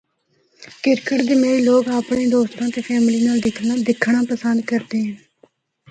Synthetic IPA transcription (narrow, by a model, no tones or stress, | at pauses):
kɪɾkəʈd̪eːmeːiːloːɡaːpɳeːd̪oːst̪ãːt̪eːpʰɛːmliːnaːld̪ɪkʰnaːd̪ɪkʰːɳãːpəsənd̪kəɾd̪eːɦɛ̃ː